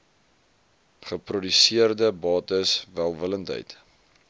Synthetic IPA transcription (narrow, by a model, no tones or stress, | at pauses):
χəprɔdysiərdəbɑːtəsvælˠvələntə̰jt